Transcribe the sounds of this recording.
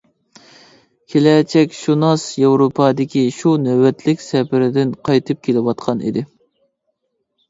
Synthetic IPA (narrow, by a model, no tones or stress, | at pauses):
kʲʰelɛt͡ʃʰɛkʲʃunɑsjewɾopʰɑːd̪ɪkʲiʃunɛwɛt̪ʰlɪkʲsɛpɪɾɪd̪ɪnqʰɑjt̪ʰɨp̚kʲʰelɪwɑt̪̚qʰɑnḭd̪ɪ